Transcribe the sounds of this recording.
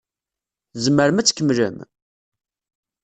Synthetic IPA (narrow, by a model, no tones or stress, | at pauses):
zməɾəmæt͡sːkʲːəmlə̰m